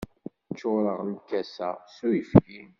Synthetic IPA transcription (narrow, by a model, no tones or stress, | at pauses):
t͡ʃːʊɾəʁlkːæsæ̰sujəfkim